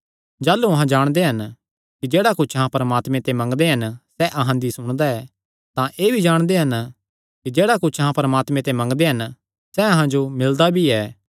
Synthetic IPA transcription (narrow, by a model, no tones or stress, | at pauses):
d͡ʒaːlːuɐɦãd͡ʒaːɽ̃d̪eɦɐn | kid͡ʒeːɽakʊt͡ʃʰɐɦãpɐɾəmaːt̪mẽt̪emɐ̃ŋɡd̪eɦɐnsɛʔɐɦãd̪isʊɽ̃d̪aɛː | t̪ãʔeːbʱid͡ʒaːɽ̃d̪eɦɐn | kid͡ʒeːɽakʊt͡ʃʰɐɦãpɐɾəmaːt̪mẽt̪emɐ̃ŋɡd̪eɦɐn | sɛɐɦãd͡ʒomɪld̪abʱiɛː